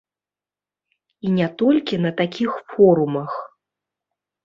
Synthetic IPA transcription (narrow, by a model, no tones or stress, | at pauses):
inʲat̪ɔlʲkʲinɐt̪akʲixfɔɾumɐx